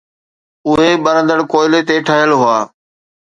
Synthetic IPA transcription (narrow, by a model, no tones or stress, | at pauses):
ʊɦeɓɐɾə̃nd̪əɽkoːɪlet̪eʈʰəɦɪjəlɦʊaː